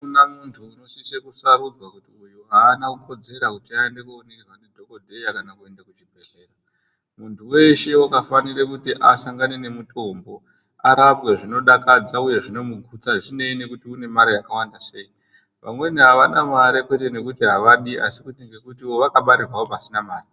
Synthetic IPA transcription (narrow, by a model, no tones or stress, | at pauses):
unamuntʰuːno̞sisekusaɾud͡zwakutiujuɦaːnakuko̞d͡ze̞ɾakutiaendekuonekerwane̞dʱo̞ko̞dʱe̞jakanakue̞ndakut͡ʃibʱe̞ɮe̞ːra | muntʰuwe̞ʃe̞wakafanirekutiʔasaŋɡanene̞muto̞mbo̞ | aɾapɣeʐino̞ɗakad͡zauje̞ʐino̞muɡʱut͡saʐine̞ine̞kutiune̞maɾajakawandase̞i | ʋʔa̰mwe̞niɦaʋanamaɾekwe̞te̞ne̞kutiɦaʋaɗiʔa̰sikuteŋɡe̞kutio̞ʋakaɓaɾirwaopasinamaːri